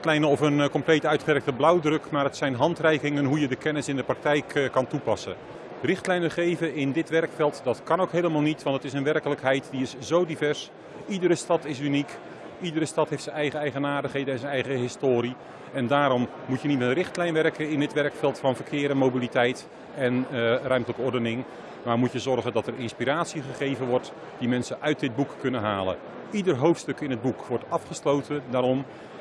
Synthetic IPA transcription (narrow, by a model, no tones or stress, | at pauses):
tlɛjnənɔfənkɔmplejtœɥtχəʋɛk̚təblɑwdrɵkmaːɹətsɛjnɦɑntrɛjkɪŋənɦujədəkɛnɪsɪndəprɑk̚tɛjkːɑntupɑsə̰ | rɪχtlɛjnəχejvəɪndɪtʋɛrkfɛlˠtdɑtkɑnowkɦejləmaːlˠnitʋɑntətɪsənʋɛrkələkɦɛjtdiɪszowdivɛɹs | idəɾəstɑtɪsynik | idəɾəstɑtɦejftsənɛjχəɛjχənaːdəχɦejdənɛnzənɛjχəɦɪstoːɾi | ɛndaːɾɔmːutjənitmɛtərɪχtlɛjnʋɛrkəɪndɪtʋɛrkfɛlˠtfɑnvərkʰɪːɾənmowbilitɛjt | ɛnrœɥmtələkəɔɹdənɪŋ | maːrmutjəzɔrχəndɑtərɪnspiɾaːtsiχəχejvənʋɔrt | d̥imɛnsəʔœɥt̚dɪd̚bukːɵnənɦaːlə̰ | idərɦowftstɵkɪnɦəd̚bukʋɔɹtɑfχəslowtʰədaːɾɔm